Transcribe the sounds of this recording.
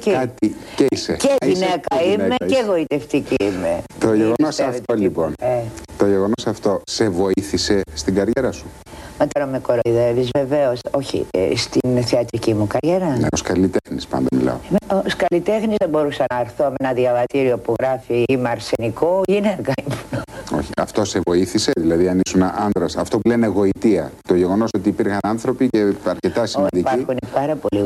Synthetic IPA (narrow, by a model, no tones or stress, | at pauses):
ceɐt̪ieiseceinekɐimecevo̞it̪e̞ft̪iciimet̪oʝeɣonosɐft̪oliponet̪oʝeɣo̞nosɐft̪o̞se̞vo̞iθise̞st̪iɡɐɾʝeɾɐsu | met̪oɾɐmekoɾoiðevizve̞ve̞oso̞çḭst̪inθeɐt̪ɾicimukɐɾʝeɾɐnḛoskɐlit̪e̞xnispɐ̰nd̪ɐmilɐ̰omoskɐlit̪e̞xnizðebo̞ɾusɐnɐːɾθoɐmenɐðjɐvɐt̪iɾio̞puɣɾɐfiimeɐɾseniko̞ineɾkɐimonoo̞̰çiɐ̰ft̪o̞se̞vo̞iθiseðilɐðiɐnisunʔɐnd̪ɾɐsɐft̪o̞puleneɣo̞it̪iɐt̪o̞ʝeɣo̞no̞so̞t̪iːpiɾxɐnɐnθɾo̞pice̞ɐɾce̞t̪ɐsimɐnd̪ipɐixunipɐɾɐpo̞li